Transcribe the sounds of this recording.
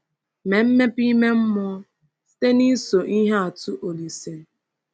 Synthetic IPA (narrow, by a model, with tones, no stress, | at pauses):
me˨m̩˦me˦pi˦me˦m̩˦mʊ˦ɔ˦ | si̥˦te˦ni˦so˨ʔi˦ɦe˦a˨tʊ˦ʔo˨li˨se˨n̩˨